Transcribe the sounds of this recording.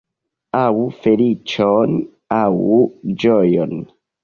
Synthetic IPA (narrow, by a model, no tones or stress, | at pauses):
awufelit͡ʃon | awd͡ʒojon